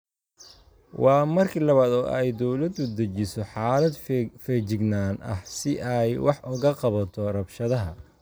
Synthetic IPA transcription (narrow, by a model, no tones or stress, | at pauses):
wɑːmɐrkʰilɐβaːd̪ɔ̰ːʔɛjd̪ɔwlɐd̪ʊd̪ɐt͡ʃɪsɔħɑːlɐd̪fɛːt͡ʃɪɡnaːnɐ̰hsɪʔɛjwɑħʔʊɣɐqɑβɐt̪ʰɔrɐbʃɐðɐɦɐ